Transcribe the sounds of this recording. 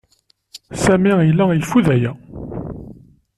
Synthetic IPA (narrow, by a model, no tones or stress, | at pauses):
sæmiilːæjfuðæjæ